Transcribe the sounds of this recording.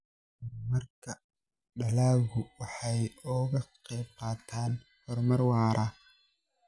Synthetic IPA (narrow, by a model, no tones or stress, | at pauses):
mɐrkʰɐ | ɖɐlaːɣʊwɑħɑjɔːɣɐqɛːb̚qɑːt̪ʰaːn | hɔrmɐrwɑːɾʔɐ